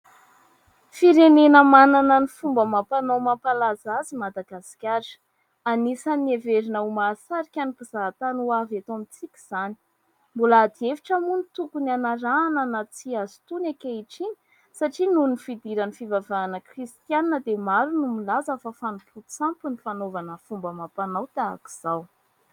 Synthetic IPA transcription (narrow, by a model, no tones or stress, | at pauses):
fiɾenenəmananənifumbəmapanowmapalazazimad̪aɡasi̥kʲaɾ | anisanieveɾinəumasaɾikʲanipizaɦat̪anuavat̪amit͡sikʲi̥z̥ani̥ | mbolaad̪ieviʈ͡ʂamunit̪ukunanaɾaːnənat͡siazi̥t̪unakʲeiʈ͡ʂiɲi̥ | saʈ͡ʂinunnifid̪iɾanifivavaːnəkrist̪janinəd̪emaɾunumilazafəfanupʰut͡sampunifanovanəfumbəmapanawt̪aa̰ki̥z̥aw